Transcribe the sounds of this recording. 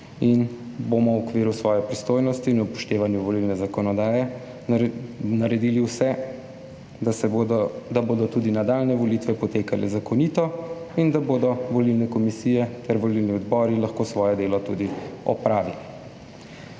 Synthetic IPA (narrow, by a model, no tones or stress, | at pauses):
in | bomɔwɔkʋeːɾusʋɔːjɛpɾist̪oːjnɔst̪iːnupɔ̥ʃt̪eːʋanjuʋɔlilnɛzakɔnɔd̪aːjɛ | naɾɛd̪iːliwsɛ | d̪aboːd̪ɔt̪ud̪inad̪aːlnɛʋɔlit̪ʋɛpɔt̪eːkalʔɛ̰zakɔniːt̪ɔind̪aboːd̪ɔʋɔlilnɛkɔmisiːjɛt̪ɛɾʋɔlilniɔd̪bɔːɾilaxkoːsʋɔːjɛd̪eːlɔt̪ud̪iɔ̰pɾaːʋili